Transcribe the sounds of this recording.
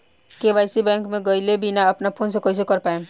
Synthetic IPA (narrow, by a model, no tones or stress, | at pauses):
keʋaːɪsibɛ̃ːŋkmẽɡəɪlebinaɐpnapʰoːns̬ekois̬ekəɾpaːẽ